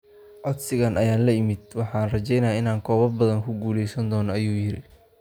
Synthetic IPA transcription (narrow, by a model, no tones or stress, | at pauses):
ʕɔd̪sɪɣaːnʔɐjaːnlɐjɪmɪd̪̚wɑħɑːnrɐt͡ʃɛjnaːɪnaːŋkʰɔːβɐrbɐðɐŋkʰʊɡuːlɛjsɐnd̪ɔːnɔɐjuːjɪɾɪ